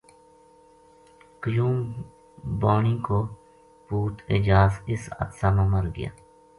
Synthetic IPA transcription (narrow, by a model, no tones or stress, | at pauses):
kəjũːm | baːɳĩːkoː | puːt̪ɪ̰d͡ʒaːzɪsə̰t̪saːmãːməɾɡɪ̰ja̰ː